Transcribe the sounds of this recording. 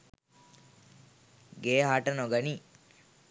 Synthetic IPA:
ɡeːɦaʈɐnoɡɐni

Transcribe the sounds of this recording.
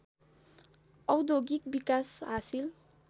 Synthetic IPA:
ʌwd̪oɡik̚bikasɦasil

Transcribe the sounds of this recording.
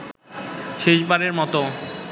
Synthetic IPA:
ʃeʃbaɾeɾmɔt̪o

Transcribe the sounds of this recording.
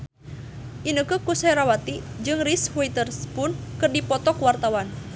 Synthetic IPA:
ʔinəkɨkusɛɾawat̪id͡ʒɨŋrishuit̪ərspʊnkɨrdipɔt̪ɔkuwart̪awan

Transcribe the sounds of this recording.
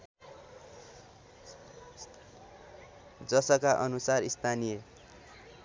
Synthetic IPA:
d͡zʌsʌkaʔʌnusarist̪ʰanijʌ

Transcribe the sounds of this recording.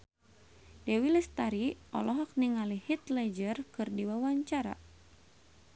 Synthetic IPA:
dɛwilɛst̪aɾiʔɔ̰lɔɦɔk̚niŋalihit̪lɛd͡ʒərkɨrdiwawaɲt͡ʃaɾa̰

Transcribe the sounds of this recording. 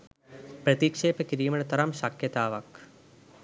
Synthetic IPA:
pɾɐt̪ikʂeːpɐkɾiːmɐɳɐt̪ɐɾɐmʃɐkʰjɐt̪aːʋɐk

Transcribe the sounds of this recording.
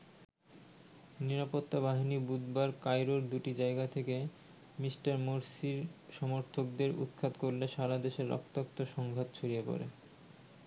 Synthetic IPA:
niɾapot̪ːabaɦinibud̪baɾkajɾoɾd̪uʈid͡ʑaeɡat̪ʰeke | misʈaɾmoɾsiɾʃɔmoɾt̪ʰok̚d̪eɾṵt̪̚kʰat̪koɾleʃaɾad̪eʃeɾːɔ̰kt̪ok̚t̪oʃɔŋɡʱat̪t͡ɕʰoɾijepɔ̰ɾḛ

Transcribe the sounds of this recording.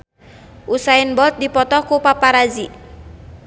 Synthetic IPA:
ʔusaɪnbɔlt̪̚dipɔt̪ɔkupapaɾazi

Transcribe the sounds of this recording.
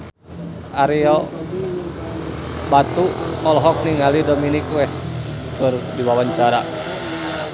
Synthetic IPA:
ʔaɾiɔ | bat̪uɔlɦɔk̚niŋalidominikwɛskɨrdiwawaɲt͡ʃaɾa

